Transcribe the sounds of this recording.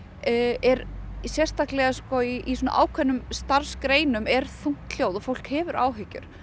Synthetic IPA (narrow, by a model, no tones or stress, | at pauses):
ɛɾsjɛr̥st̪aklɛɣaskɔiisɔːna̰ʔa̰ːwkʰvɛnːʏmst̪aɾ̥skɾeːjnʏmɛɾ̥θuŋ̥t̪l̥joːwðɔfowl̥khɛːvʏɾʔa̰ːwɦɪcːʏ̰ɾ̥